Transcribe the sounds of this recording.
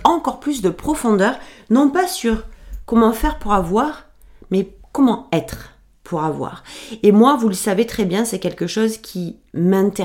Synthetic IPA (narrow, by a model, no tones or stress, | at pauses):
ɑ̃kɔʁplys̬d̪əpχɔfɔ̃d̪œʁnɔ̃pasyʁkɔmɑ̃fɛʁpuʁavwaʁ | mɛkɔmɑ̃ɛt̪χ | pʰuʁavwa̰ʁemwavuləsavet̪χɛbjɛ̃sɛkʲɛlkəʃozkʲʰi | mɛ̃t̪e